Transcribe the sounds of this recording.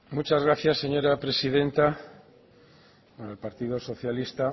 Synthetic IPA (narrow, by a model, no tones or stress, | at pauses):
mut͡ʃazɣɾaθjasːeɲoɾapɾesið̞ẽnt̪a | alpaɾt̪iðoso̞θjalist̪a